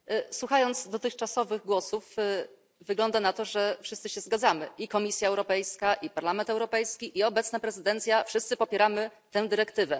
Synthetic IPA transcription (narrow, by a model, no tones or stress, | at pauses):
swuxajɔnt̪zd̪ɔt̪ɘxt͡ʂasɔvɘɣɡwɔsuf | vɘɡlɔnd̪anat̪ɔʐɛfʂɘst̪sɘɕɛzɡad̪zamɘʔikɔmʲisʲjaɛwɾɔpɛjskaʔipaɾlamɛnt̪ɛwɾɔpɛjskʲiʔiɔbɛt̪snapɾɛzɘd̪ɛnt̪sʲjafʂɘst̪sɘpɔpʲjɛɾamɘt̪ɛw̃d̪ɘɾɛkt̪ɘvɛ